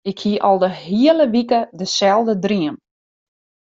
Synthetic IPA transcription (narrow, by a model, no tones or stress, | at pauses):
ɪkhiəʔɔlˠdəɦiələʋikədəsɛlˠdədriəm